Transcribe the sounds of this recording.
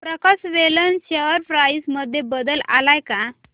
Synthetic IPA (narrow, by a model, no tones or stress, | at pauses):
pɾəkasʋelənɕəəɾfɾajsməd̪ʱːjebəd̪əla̰lajka